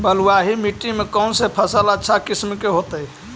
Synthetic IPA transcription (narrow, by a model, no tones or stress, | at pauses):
bəluaɦimiʈːimekənsepʰəsələtːʃʰakismkeɦot̪əi